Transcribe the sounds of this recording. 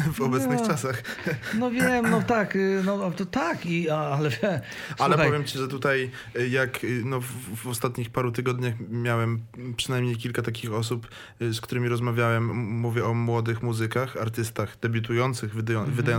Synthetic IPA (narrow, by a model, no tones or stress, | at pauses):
vɔbɛt̪nɨxt͡ʂasaxnɔvʲjɛmnɔt̪aknɔt̪ɔt̪akiaalɛvʲɛ | alɛp̪ɔvʲjɛmt͡ɕiʐɛt̪ut̪aj | jaknɔvvɔst̪at̪ɲixpaɾut̪ɘɡɔd̪ɲaxmʲjawɛmpʂɨ̥najmɲejkʲilkat̪akʲixɔs̬up | skt̪uɾɘmʲiɾɔzmavʲjawɛmːuvʲjɛɔmwɔd̪ɘxmuzɘkaxaɾt̪ɘst̪axd̪̥ɛbʲut̪̬ujɔnt̪sɘɣvd̪jɔvɘd̪ajɔ